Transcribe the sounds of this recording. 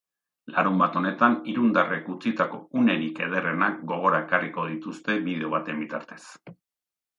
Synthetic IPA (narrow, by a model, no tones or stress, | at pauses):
laɾumbat̪o̞ne̞t̪aniɾund̪are̞kut͡sit̪ako̞une̞ɾike̞ð̞ere̞nak̚ɡo̞ɣ̞o̞ɾae̞kariko̞ðit̪ust̪e̞bið̞e̞o̞β̞at̪e̞mbit̪aɾt̪e̞̥s